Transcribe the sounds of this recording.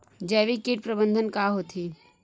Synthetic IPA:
d͡ʒɛːʋikiʈ̚pɾəbə̃nd̪ʱənkaɦot̪ʰi

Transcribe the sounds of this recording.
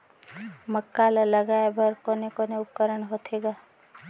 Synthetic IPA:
məkːalaləɡaebʱəɾkoːnekoneʊp̚kəɾəɳɦot̪ʰeɡaː

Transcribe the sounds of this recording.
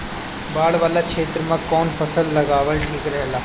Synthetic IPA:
baːɭʋaːlakʃeːt̪ɾəmãkɔːnfʰɐsəlːɐɡaːʋəlʈʰiːkɾɐɦɛlaː

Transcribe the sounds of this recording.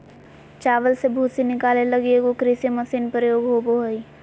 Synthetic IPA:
t͡ʃaːʋəlsebʱuːsinɪkaːleləɡeɡokɾiseməsiːnpɾəjoːɡɦoboɦəi

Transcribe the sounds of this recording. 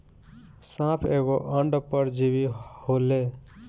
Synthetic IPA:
sãpʰeɡoʔəɳɖpəɾd͡ʒiβihole

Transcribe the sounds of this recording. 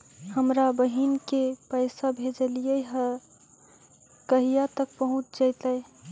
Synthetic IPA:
həmɾabəɦinkepəɪsabʱed͡ʒəlijəjɦə | kəɦijat̪ək̚pəɦũt͡ʃd͡ʒaɪt̪əj

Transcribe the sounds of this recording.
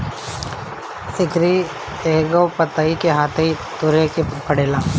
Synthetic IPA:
ɪkɾi | eːɡopət̪aikeɦaːt̪ʰei | t̪ʊɾekepɐɽeːlãː

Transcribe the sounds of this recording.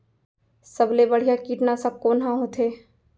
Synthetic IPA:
səblebəɽ̤ijakiːʈnasɐb̚koːnɦãɦoːt̪ʰeː

